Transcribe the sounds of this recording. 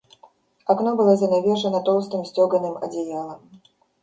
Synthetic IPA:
aknɔbɨlˠazʲɐnʲavʲɛʂɐnɐt̪ɔlˠst̪ɨmsʲt͡sʲɔɡɐnɨmɐ̰d͡zʲɛjalˠɐm

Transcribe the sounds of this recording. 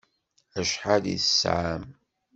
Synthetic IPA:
æʃħaðḭθəsʕam

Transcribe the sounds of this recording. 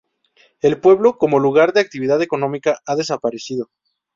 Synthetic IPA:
e̞lpwe̞βlo̞ko̞mo̞luɣ̞aɾðe̞ak̚t̪iβiðaðeko̞nõ̞mikaʔaðe̞sapaɾe̞siðo̞

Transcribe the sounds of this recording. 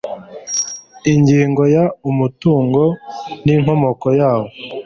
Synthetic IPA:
iɲɟiːŋɡo̞jaumutuːŋɡo̞niŋ̥ho̞mo̞kojaːwo̞

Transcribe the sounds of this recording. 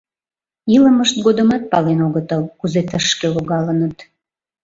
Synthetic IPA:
iləməʃt̪̚ɡod̪ə̆mɑt̪̚pɑlenoɣət̪əlkuzet̪əʃkeloɣɑlənət̪

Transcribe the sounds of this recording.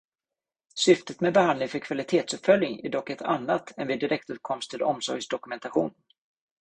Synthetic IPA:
sʏft̪ət̪mɛbɛhand̪lɪŋfœɾkʰv̥alɪt̪ʰeːt̪sɵpfœljɪŋæ̰ɖɔkːɛt̪ʰa̰nːat̪ʰɛnvɪd̪ɪɾɛk̚t̪ʉ̟ːt̪̚kʰɔmst̪ʰəɾɔmsɔɾjɡsd̪ɔkɵmɛnt̪aɧuːn

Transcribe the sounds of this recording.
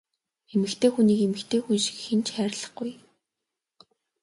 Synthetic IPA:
emɘ̆kt̪ʰeːxuniːkemɘ̆kt̪ʰeːxunʃi̥kxent͡ɕχæːɾ̆ʲɮə̆χɡʊj

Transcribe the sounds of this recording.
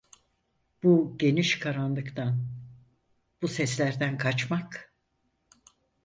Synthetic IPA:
b̥uɟe̞niʃkʰaɾanlˠɯkt̪ʰan | b̥usɛslʲæɾd̪ænkʰat͡ʃmak

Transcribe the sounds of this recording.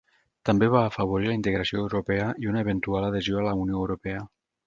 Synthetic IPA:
t̪ambeβaːfəβ̞oɾilaint̪eɣɾasioewɾupɛəʔiunaeβ̞ent̪ualaðezioalaunjoewɾupɛə

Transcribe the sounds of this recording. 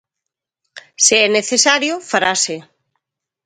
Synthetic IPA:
seɛneθesaɾjʊfaɾase

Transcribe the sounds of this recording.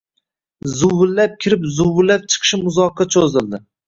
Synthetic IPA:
zʊwɪlːap̚kʲʰɪɾɪpzʊwɪlːap̚t͡ʃʰɨ̥qʰɨ̥ʃɪmʊzɒqʰːɑt͡ʃʰozɪld̪ɪ

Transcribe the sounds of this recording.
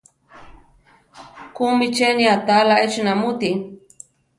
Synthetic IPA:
kumit͡ʃeniat̪alaet͡ʃnamut̪i

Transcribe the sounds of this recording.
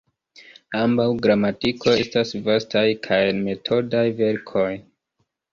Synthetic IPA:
ambawɡɾamatikʰo̞e̞stasvastajkʰajenme̞tʰo̞dajve̞ɾkʰo̞j

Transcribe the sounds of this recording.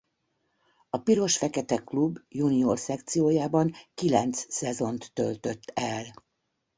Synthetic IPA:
ɒpiɾo̞ʃfɛkɛt̪ɛklubjuniorsɛkt̪sijoːjaːbɒŋkilɛnt̪ssɛzo̞nt̪ːølt̪ø̞t̪ːɛl

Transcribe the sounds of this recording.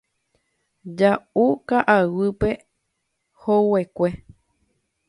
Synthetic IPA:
d͡ʒaukaʔawɨpe | howekʷe̞

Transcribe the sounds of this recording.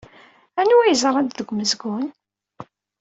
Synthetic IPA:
ænuæjəzɾˤɑd̪ðəɡʷməzɡʊn

